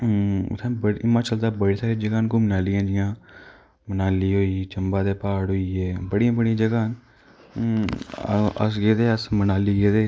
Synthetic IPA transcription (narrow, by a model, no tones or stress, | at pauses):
t̪ʰẽːbəɽɪmãːt͡ʃəld̪aːbəɽeːsaːɾed͡ʒəɡaːnkõːmənaːlijãːd͡ʒɪjãː | mənaːliːɦoːiːt͡ʃəmbaːd̪eːpaːɽɦoːiːeːbəɽijãːbəɽiãːd͡ʒəɡaːn | ə̰sɡeːt̪eːəsmənaːliːɡeːt̪eː